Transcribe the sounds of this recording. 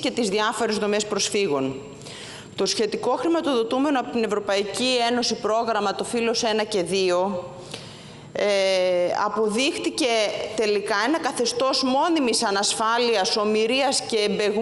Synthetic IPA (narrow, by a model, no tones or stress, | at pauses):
ce̞t̪izðiɐfo̞ɾezðo̞me̞spɾo̞sfiɣo̞n | t̪o̞sçe̞t̪iko̞xɾimɐt̪o̞ðo̞t̪ume̞noɐpo̞t̪ine̞vɾo̞pɐicie̞no̞sipɾo̞ɣɾɐmɐt̪o̞filo̞se̞nɐce̞ðio̞ | ɐ̰po̞ðixt̪ice̞t̪e̞likɐe̞nɐkɐθe̞st̪o̞zmo̞nimisɐnɐsfɐliɐso̞miɾiɐsce̞ːmbe̞ɣ